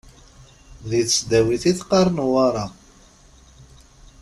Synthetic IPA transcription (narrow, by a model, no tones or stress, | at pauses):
ðiθsd̪æwiθiθqɑɾˤnuwɑɾˤɑ